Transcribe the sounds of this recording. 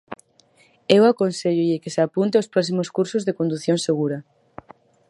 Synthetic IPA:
ewakonseʎʊʎɪkɪseapunt̪eospɾɔs̬imoskuɾsʊzðekond̪uθjoŋseɣuɾɐ

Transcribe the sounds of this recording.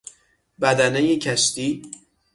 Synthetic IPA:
bæd̪ænejecʰæʃt̪iː

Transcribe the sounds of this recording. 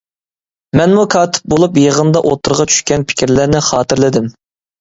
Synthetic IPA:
mɛnmukʰɑːt̪ʰɪ̥p̚bolˠupjəʁənd̪ɑʔo̰t̪ʰːʊɾʁɑt͡ʃʰy̥ʃkʲɛnpʰɪ̥kʲʰiɾlɪɾnɪχɑːt̪ʰɪɾlɪd̪ɪm

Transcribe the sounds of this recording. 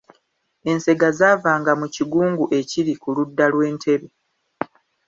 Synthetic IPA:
e̞nse̞ɡazaːvaːŋɡamuciɡuːŋɡuʔe̞ciɾikuludːalwe̞ːntʰe̞βe

